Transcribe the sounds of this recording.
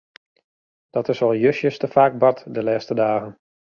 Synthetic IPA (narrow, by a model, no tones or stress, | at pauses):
d̥ɔtɪsɔlˠjøsjəstəfaːk̚bɑtdəlɛːstədaːɣən